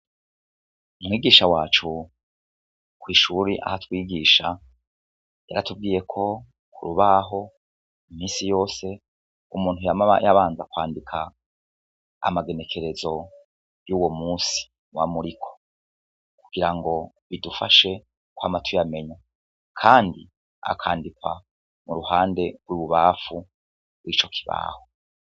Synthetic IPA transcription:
umŋiːɡiːʃawaːt͡ʃu | kwiːʃuɾiʔa̰hatwiːɡiːʃa | jaɾatub̚ɡiːje̞kʰo̞ | kʰuɾuβaɦo̞ | imiːnsijo̞ːse̞ | umuːn̥hujamaβa̰jaβaːnzakwaːndikʰa | maɡe̞ne̞kʰe̞ɾe̞zo̞ | juːwomuːsi̥ | nwa̰muɾikʰo̥ | kuɡ̥iɾaŋɡo̞ | βidufaʃe̞ | kwamatʰujame̞ɲa | kʰaːndḭ | a̰kʰaːndikwa̰ | muɾuhaːnde̞ɾwiβuβaːfu | bwit͡ʃo̞kʰi̥βa̰ːho

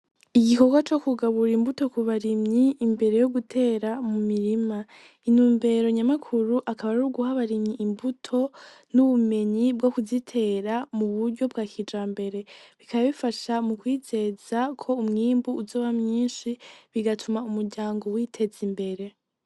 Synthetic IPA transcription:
iɡiko̞ɡwat͡ʃo̞kuɡaβuɾimbuto̞kuβaɾimɲiːmbe̞ɾe̞joɡutʰe̞ɾamumiɾima | inuːmbe̞ɾo̞ɲamakʰuɾuʔakaβaɾuɾuɡuhaβaɾimɲiʔːmbutʰo̞ | nuβume̞ɲibɡokuzitʰe̞ɾamuβuɾɟo̞b̚ɡakʰid͡ʒaːmbe̞ɾe̞βikaβaβifaʃamukwiːze̞zakʰo̞umŋiːmbuːzo̞ːβamɲiːnʃiβiɡatʰumaumuɾɟaːŋɡo̞witʰe̞zimbe̞ɾe̞

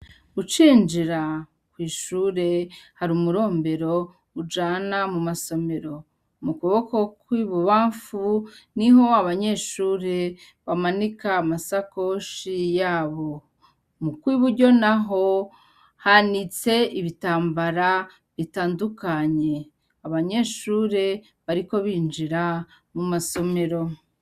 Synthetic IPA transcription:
ut͡ʃiːnd͡ʒiɾa | kwiːʃuːɾe̞haɾumuɾo̞ːmbe̞ɾo̞ | ud͡ʒaːnamumaso̞me̞ɾo̞ | mukuβo̞ko̞kwiβuβaːɱfuniɦo̞aβaɲe̞ːʃuːɾe̞ | βamanikaːmasako̞ʃijaːβo̞ | mukwiːβuɾɟo̞naɦo̞ | hanit͡se̞iβitaːmbaɾa | βitaːndukaɲe̞ | aβaɲe̞ːʃuːɾe̞ | βaɾiko̞βiːnd͡ʒiɾa | mumaso̞me̞ɾo̞

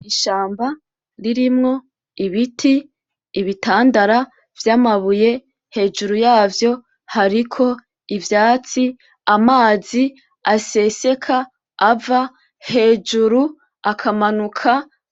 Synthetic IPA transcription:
iʃaːmba | ɾiɾimŋo̞ | iβitʰiː | βitaːndaɾa | vjamaβuje̞ | he̞ːd͡ʒuɾujaːvjo̞ | haɾikʰo̞ | ivjaːt͡si | amaːzi | ase̞se̞kʰaː | va | he̞ːd͡ʒuɾu | akʰamanukʰa

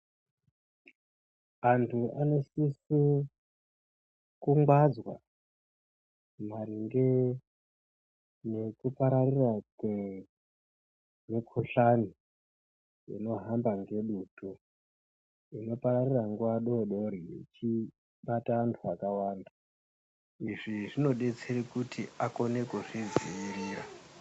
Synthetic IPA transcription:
antʰuano̞sisi | kuŋɡwad͡zwa̰ | mariŋɡe | ne̞kupaɾarirakwe | mikʰoɬani | ḭno̞ɦambaŋɡe̞ɗuto | ino̞paɾariraŋɡuʋaɗoɗo̞ɾiḛt͡ʃi | ɓataantʰuakawaːnda | iʐiʐino̞ɗe̞t͡seɾikutiako̞ne̞kuʐid͡ziiɾiːra̰

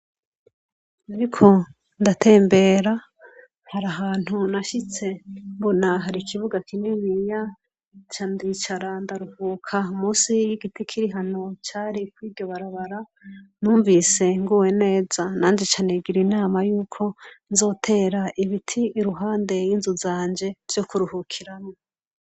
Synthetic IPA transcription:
naɾikʰo̞ | ndatʰe̞ːmbe̞ːɾa | haɾaɦaːn̥hunaʃit͡se̞mbonaɦaɾikʰiβuɡakʰiniβija | t͡ʃandit͡ʃaɾandaɾuhuːkʰaumuːsijiɡitikʰiɾiɦano̞t͡ʃaːɾikwiːbɟo̞βaɾaβaɾa | nuːɱvise̞ŋɡuwe̞ne̞ːzanaːnd͡ʒet͡ʃaneɡiɾinaːmajuːkʰo̞nzo̞ːtʰe̞ːɾaʔiβitʰiːɾuɦaːnde̞jinzuzaːɲd͡ʒe̞ɾj̥o̞kuɾuhukʰiɾamo

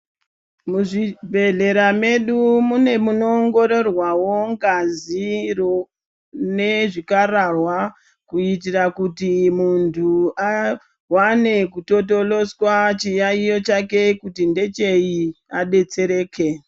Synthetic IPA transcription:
muʐibʱe̞ɮe̞ɾame̞ɗumune̞muno̞ŋɡo̞ɾo̞rwawo̞ŋɡazir | ne̞ʐikararwa | kuit̬irakutimuntʰua | wane̞kuto̞to̞lo̞swat͡ʃijaijo̞t͡ʃake̞kutinde̞t͡ʃe̞iaɗe̞t͡se̞ɾe̞ːkʰe̞

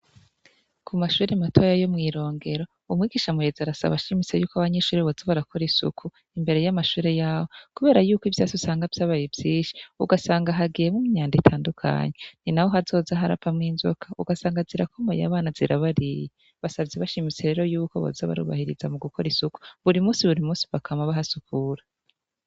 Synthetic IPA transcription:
kʰumaʃuːɾematʰo̞ːjajomŋiːɾo̞ːŋɡe̞ɾo̞ | umŋiːɡiːʃamujezaɾasa̰βaʃimit͡se̞juːkaβaɲe̞ʃuːɾeβozaβaɾakʰo̞ɾisṵkʰu | imbe̞ɾe̞jamaʃuːɾe̞jaːwokuβe̞ːɾajuːkivjaːzusaːŋɡavjaːβajebjiːnʃi̥uɡasaːŋɡaɦaɡijemumiɲaːnditʰaːndukʰa̰ːɲe̞ninahoɦazo̞ːzaɦaɾa̰pʰamŋiːnzo̰kʰauɡasaːŋɡaziɾakʰomo̰ja̰βaːnaziɾaβaɾije | βasabɟeβaʃimit͡se̞ɾe̞ːɾo̞juːko̞βo̰zaβa̰ɾṵːβa̰hiɾḭzamuɡukʰo̞ɾisuku̥βuɾimuːsiβuɾimuːsi̥βakʰamaβahasukuɾa

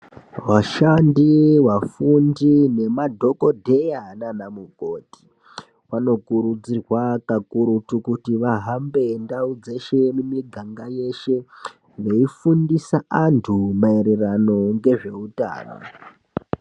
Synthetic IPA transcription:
waʃandiwafundine̞madʱo̞ko̞dʱe̞jananamuko̞ti̥ | wano̞kuɾud͡zirwakakuɾutukutiʋaɦambe̞ndaud͡ze̞ʃe̞mumiɡʱaŋɡaje̞ʃe̞ | ʋeifundisaantʰumaeɾerano̞ŋɡe̞ʐe̞uta̰ːra̰

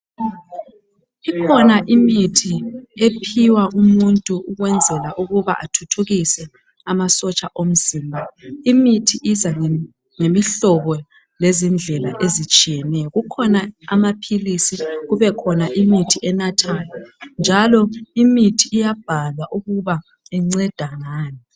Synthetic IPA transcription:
ikʰɔnaʔimitʰiepʰiwaʔumuntʼuuɣwɛnd͡zʱɛlaʔuɣuβa̰ʔa̰tʰutʰuɣisɛ | amasɔt͡ʃʼaʔom̩ziːmbʱaimitʰiʔizaŋ | ŋemiɬɔɣɔ | lezind͡ɮʱɛlaʔezit͡ʃʼijɛnɛjɔɣukʰɔnaamapʰilisiɣuβɛkʰɔnaʔimitʰiʔɛnatʰaːjɔnd͡ʒʱalɔimitʰiijab̥ʱalwaʔuɣuβa | ɛŋ͡ǀɛd̥ʱaŋaːni

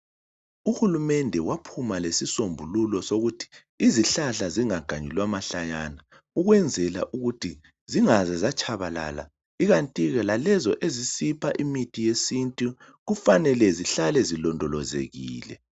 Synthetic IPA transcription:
uhulumɛndʱɛwapʰumalesisombʱululɔsoɣutʰi̥ | iziɬaɬaziŋaɡ̥ʱaɲilwamaɬajana | uɣwɛnd͡zʱɛla̰ʔuɣutʰi | ziŋazɛzat͡ʃʰʼaβala̰la̰ | iɣantʼiɣalalɛzɔʔezisipʰaʔimitʰijesintʼi | ɣufanɛlɛziɬalɛzilɔndʱɔlɔzḛɣḭːlɛ̰

